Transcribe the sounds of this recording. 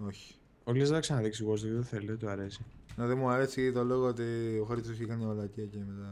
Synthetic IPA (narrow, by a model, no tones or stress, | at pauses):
oçi̥ | oliezeðɐksɐnɐðiksiɣos̬t̪ot̪iðeθelet̪uɐɾesineðemuɐɾe̞sit̪oloɣoot̪ioxɾist̪osikɐnolɐciɐcemet̪ɐ